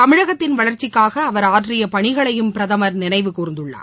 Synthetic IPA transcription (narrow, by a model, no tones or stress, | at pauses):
t̪ɐmɪɻɐɣɐt̪ːɪnʋɐɭɐɾt͡ʃɪkːaːɣɐːʋɐɾaːʈrɪjɐpɐɳɪɣɐɭɐjɯmpɪɾɐðɐmɐɾnɪnɐɪʋɯkuːɾɪnd̪ɯɭːa̰ː